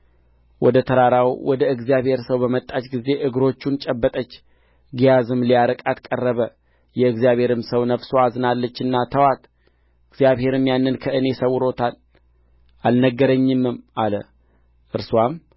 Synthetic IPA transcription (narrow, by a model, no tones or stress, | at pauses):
wʔɔd̪ət̪ʰəɾaɾawwɔd̪əɨɡzijaβhe̞ɾsəwbəmət̪ʼːat͡ʃɡize̞ʔɨɡɨɾo̞t͡ʃːunt͡ʃʼɛbːət̪ʼət͡ʃː | ɡijazɨmlijaɾəkʼat̪kʼərːəβə | jɛɨɡzijaβhe̞ɾɨmsəwnəfsoazɨnalːət͡ʃːɨnːat̪ʰəwat̪ | ɨɡzijaβhe̞ɾɨmjanːɨnkʰəʔɨne̞səwːɨɾo̞t̪ʰal | ʔalnəɡːəɾəɲːɨmːɨmʔalə̰ | ʔɨɾswam